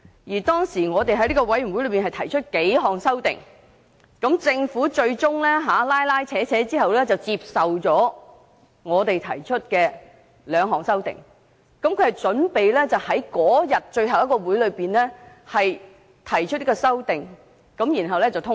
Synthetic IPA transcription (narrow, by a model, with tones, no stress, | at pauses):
jiː˨˩t̪ɔː˥ŋsiː˨˩ŋɔː˨˧t̪e˨jɦɐ˨˥jliː˥kɔ˧wɐ˨˥jɥy˨˩nwu˨˥jlɵ˨˧ɥpiː˨˩nhɐ˨jt̪ʰɐ˨˩jt͡ʃʰɵ˥t̚ke˨˥jɦɔː˨ŋsɐ˥wt̪ɪ̰˨˩ŋ | kɐ˨˥mt͡sɪ˧ŋfuː˨˥t͡ʃɵ˧ɥt͡sʊ˥ŋlɛː˥ɦaː˨˥laː˥jlaː˥jt͡sʰɛː˨˥t͡sʰɛː˨˥t͡siː˥hɐ˨wlɛː˥t͡sɐ˨wt͡siː˧p̚sɐ˨wt͡ʃɔː˨˥ | ŋɔː˨˧t̪e˨jt̪ʰɐ˨˩jt͡ʃʰɵ˥t̚kɛː˧ | lœː˨˧ŋɦɔː˨˩ŋsɐ˥wt̪ɪ̰˨˩ŋ | kɐ˨˥mkʰɵ˨˧ɥhɐ˨jt͡sɵ˨˥npe˨jlɛː˥t͡sɐ˨˩whɐ˨˥jkɔː˨˥jɐ˨t̚t͡ʃɵ˧ɥɦɐ˨wjɐ˥kːɔː˧wuː˨˥jlɵ˨˧ɥpiː˨nlɛː˥ | hɐ˨j | t̪ʰɐ˨˩jt͡ʃʰɵ˥t̚ji˥kɔː˧sɐ˥wt̪ɪ˨ŋ | kɐ˨˧˥mjiː˨˩nɦɐ˨wlɛː˥t͡sɐ˨wt̪ʰʊ˥